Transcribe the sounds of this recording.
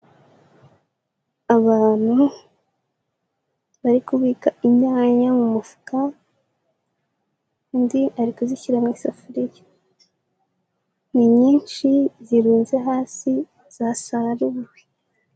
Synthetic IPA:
aβaːn̥hu | βaɾikuβiːkaiɲaːɲamumufu̥ka | ndiaɾikuziçiɾamŋisafuɾija | niɲiːnt͡ʃiziɾuːnzeɦaːsi | z̥asaɾaɾuβuɾwe

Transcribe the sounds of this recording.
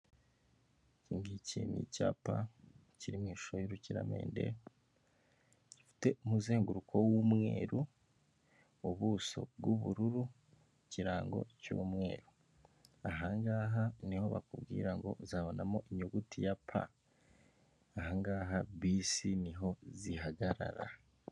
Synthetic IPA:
ciŋɡicimḭcaːpa̰ciɾimŋiːʃojiɾuciɾa̰mḛːnde̞̰ | ɟifi̥te̞umuzeːŋɡuɾukʰo̞wumŋḛːɾu | uβuːso̞̰b̚ɡuβuɾuɾu | ciɾaːŋɡo̞̰cṵːmŋe̞ːɾu | aɦaŋɡaːɦaniho̞βa̰kubɡiːɾaŋɡo̞̰zaβo̞namo̞ʔiɲoɡutijapʰa̰ | aɦaŋɡaːɦaβisiniɦo̞ziɦaɡaɾa̰ɾa

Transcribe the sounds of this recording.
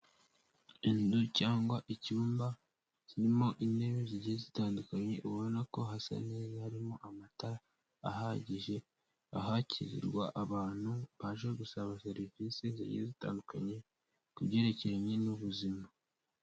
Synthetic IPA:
inducaːŋɡwaʔicuːmba | ciɾimo̞ʔine̞βeziɟiezitaːndukaɲe̞ʔuβonako̞ɦasa̰ne̞ːzahaɾimo̞ʔamata | aɦaɟiʒe̞ | aɦacʰizḭɾɡwaʔaβaːn̥huβaʒeɡusaβaseɾifisezḭɟḭezita̰ːnduka̰ɲe̞ | kuβɟe̞ːɾe̞ceɾaɲe̞nuβuzima

